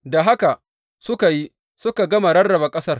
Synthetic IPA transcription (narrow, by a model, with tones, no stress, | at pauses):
da˨ɦa˦ka˨ | sʊ˦ka˨ji˦ | sʊ˦ka˨ɡɐ˦ma˨ɾɐ˦rːɐ˨ba˨kʼɐ˦sɐ˦r